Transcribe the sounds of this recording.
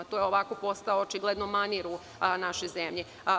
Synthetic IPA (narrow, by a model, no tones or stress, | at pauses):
t̪ojeoʋakopo̞st̪aoot͡ʃiɡled̪nomaniɾu | naʃozemʎe